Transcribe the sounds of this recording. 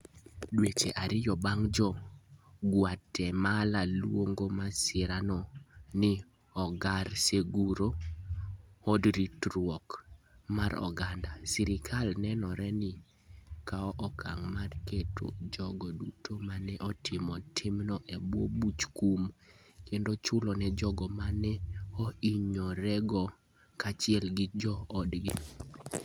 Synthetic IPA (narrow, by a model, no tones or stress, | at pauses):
dwet͡ʃḛʔaɾɪjɔbaŋd͡ʒɔ | ɡwatʰːɛmalalwoŋɡomasɪɾanɔnɪ | ɔɡaɾseɡuɾo | ɔdɾitɾwɔkmaɾɔ̰ɡandasiɾɪkʰalnɛnɔɾɛnɪ | kaɔʔɔkʰaŋmarketʰo̰d͡ʒɔɡɔdutʰomanɛʔɔtʰɪmɔtʰɪmnɔʔɛbwobut͡ʃkum | kendot͡ʃʊlɔnɛd͡ʒɔɡɔmanɛɔiɲɔɾɛɡɔ | kat͡ʃɪɛlɡɪd͡ʒɔːdɡi